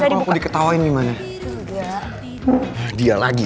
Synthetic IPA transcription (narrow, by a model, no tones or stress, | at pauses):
aakudikət̪awaɪnɡimana | jdialaɡi